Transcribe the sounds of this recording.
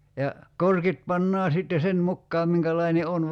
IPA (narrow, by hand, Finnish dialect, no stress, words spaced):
jɑ korkit pɑnːɑː sitːe sen mukːɑːm miŋkælɑine on